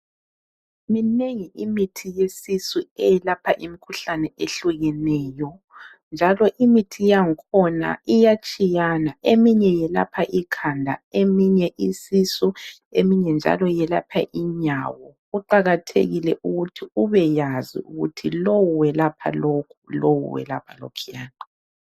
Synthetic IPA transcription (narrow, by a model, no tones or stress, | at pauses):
mineŋiʔimitʰijesisuɛjɛlapʰaʔimikʰuɬanɛeɬuɣɛnɛːjɔ | nd͡ʒʱalɔʔimitʰijaŋkʰɔna̰ijat͡ʃʼijanaemiɲɛjɛla̰pʰaʔikʰandʱa̰emiɲɛʔisisu | emiɲɛnd͡ʒʱa̰lɔjɛlapʰa̰ʔiɲawɔ | uǃaɣatʰḛɣilɛʔuɣutʰiuβɛjazḭuɣutʰilowuwɛlapʰa̰lokʰulowṵwɛ̰lapʰalo̰kʰijaːna